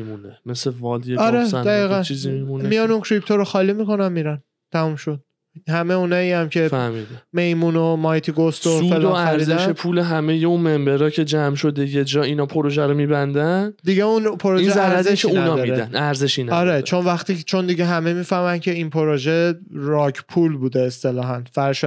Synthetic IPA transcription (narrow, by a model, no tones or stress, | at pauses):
mimunemesevɒld̪jeɒɾesd̪æiːɣænt͡ʃʰiːzimimunmijɒnuncʰɾipʰt̪oɾoxɒːliːmiko̞næmmiɾæn | t̪ʰæmumʃod̪̥̚ | hæmeuːnɒːiːæmcʰe̞fæhmid̪me̞jmunomɒjt̪ʰiɡost̪oufːeld̪ææɾiːzeæʃepʰuːleɦæme̞jeũnme̞mbe̞ɾɒːcʰe̞d͡ʒæmʃo̞d̪e̞jed͡ʒɒːinɒːpʰoɾoʒæɾomibænd̪ænd̪iɟeunpʰoɾoiʒezææɾɾæzeʃʰeuñːædnɒd̪ɒiɾeænæɾzeʃinæɒɾet͡ʃʰonvæxt̪iːt͡ʃʰo̞nd̪iɟeɦæme̞miːfæhmæncʰe̞inpʰoɾoʒe̞ɾɒːcʰpʰulbuːd̪eːst̪e̞lɒːɦænfæɾʃ